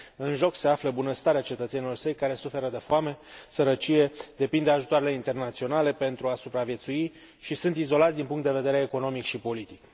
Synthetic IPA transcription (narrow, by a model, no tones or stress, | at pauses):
ɨnʒo̞kse̞afləbunəst̪aɾeat͡ʃe̞t̪ət̪senilo̞rsəjkaɾe̞sufe̞ɾəd̪efoame̞səɾət͡ʃije̞d̪e̞pind̪eaʒut̪oaɾeleint̪e̞rnat̪sio̞nale̞pe̞nt̪ɾuasupɾavje̞t̪sui | ʃisunt̪izo̞lat̪sʲd̪inpuŋkt̪d̪e̞ve̞d̪e̞ɾeːko̞no̞mikʃipo̞lit̪ik